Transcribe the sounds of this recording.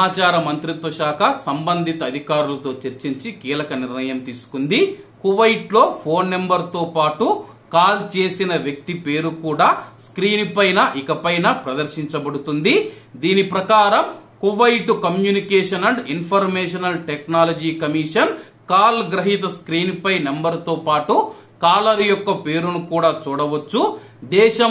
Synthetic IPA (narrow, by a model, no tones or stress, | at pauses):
aːt͡ʃaːɾɐmɐnt̪ɾit̪ʋɐʃaːkɐsɐmbɐnd̪ʱit̪ɐːd̪ʱikaːɾulɐt̪o̞ːt͡ʃeɾt͡ʃiɲt͡ʃikiːlɐkɐniɾnɐjɐmt̪iːsu̥kund̪ikuʋɐjʈlo̞ːpʰo̞ːnːembɐɾt̪o̞ːpaːʈu | kaːlt͡ʃe̞ːsinɐʋjɐk̚t̪ipe̞ːɾukuːɽaːskɾiːnpɐjnɐʔikɐpɐjnɐpɾɐd̪ɐɾʃiɲt͡ʃɐbɐɽut̪und̪i | d̪iːnipɾɐkaːɾɐm | kuʋɐjʈukɐmjuːnikeːʂɐnɐɳɖinpʰɐɾmeːʃɐnɐlʈeknaːlɐd͡ʒiːkɐmiːʂɐn | kaːlɡɾɐɦit̪ɐskɾiːnpɐjnembɐɾt̪o̞ːpaːʈu | kaːlɐɾijɔkːɐpe̞ːɾunukuːɽaːt͡ʃuːɽɐʋɐt͡ʃːu | d̪ɛːʃɐ